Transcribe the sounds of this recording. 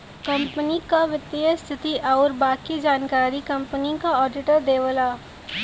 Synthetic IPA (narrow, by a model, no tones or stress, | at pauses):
kɐ̃mpənikaʋɪt̪ːiəst̪ʰɪt̪iʔɔːɾbaːkid͡ʒaːnkaːɾikɐ̃mpənikaɔːɖɪʈəɾd̪eːʋəlaː